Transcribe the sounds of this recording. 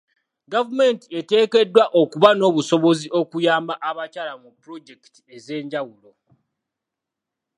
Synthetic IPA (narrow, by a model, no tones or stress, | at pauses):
ɡavume̞ntie̞te̞ːke̞dːwaʔokuβano̞ːβuso̞βo̞ziʔo̞kujaːmbaʔaβacaːlamupːɾo̞ɟe̞ki̥ti̥e̞ze̞ːɲɟawulo̞